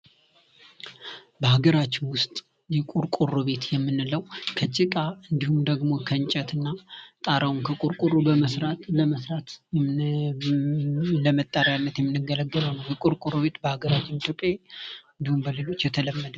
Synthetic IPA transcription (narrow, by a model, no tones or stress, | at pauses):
bəhaɡəɾat͡ʃːɪnwʊst̪ʼ | jɛkʼuɾkʼuruβe̞t̪jɛmːɨnːɨləwkʰət͡ʃʼːɪt̪ʼaɨnd̪ihumd̪əɡmo̞kʰənt͡ʃʼət̪ɨnːat̪ʼaɾawnkʰəkʼuɾkʼurubəməsɾat̪ləməsɾat̪ | ləmət̪ʼːaɾjanːət̪jɛmːɨnːɨɡələɡːələwnːəwjɛkʼuɾkʼuɾoβe̞t̪bəhaɡəɾat͡ʃːɪnit̪ʰjo̞pʼːaɨɨnd̪ihumbəlelo̞t͡ʃːjɛt̪ʰələmːəd̪ə